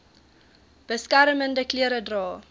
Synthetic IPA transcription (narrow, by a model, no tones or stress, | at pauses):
b̥əskaɾəməndəkliəɾədrɑː